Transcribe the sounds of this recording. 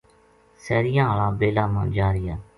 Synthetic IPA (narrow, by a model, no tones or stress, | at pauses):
sɛːɾɪjãːɦalaːbeːlaːmã̰ːd͡ʒaːɾɪjaː